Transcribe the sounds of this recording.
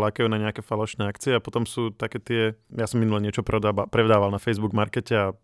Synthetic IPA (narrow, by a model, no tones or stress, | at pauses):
lakajuːnaɲɛakɛfalɔʃnɛːakt͡siɛapɔt̪ɔmsuːt̪akɛːt̪ɪɛjasɔminulɛɲɪɛt͡ʃɔpɾɛd̪pɾɛd̪aːʋalnafɛjzbuɡmaɾkɛcɛa